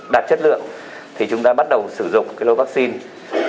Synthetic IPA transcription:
ɗaː˨˩t̚t͡ɕə˦˥t̚lɨ̰˧˨əŋ | t̪ʰi˨˩t͡ɕʊ˨˦ŋ͡mt̪aː˧ɓa˦˥t̚ɗə˨˩wsɨ˧˩zʊ̰˨ŋ͡mkaː˨˦jlo˧vaː˦˥k̚si˧n

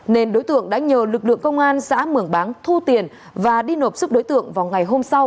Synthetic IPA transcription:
ne˧nɗo˨˦jt̪ɨ̰˧˨əŋɗa̰ː˧˥ɲəː˨˩lɨ˨˩k̚lɨ̰˧˨əŋkə˧wŋ͡mʔaː˧nsa̰ː˧˥mɨ˧˩əŋɓaː˨˦ŋt̪ʰu˧t̪i˨˩ən | vaː˨˩ɗi˧no˨˩p̚su˦˥p̚ɗo˨˦jt̪ɨ̰˧˨əŋvaː˨˩wŋa˨˩jɦo˧msa˧w

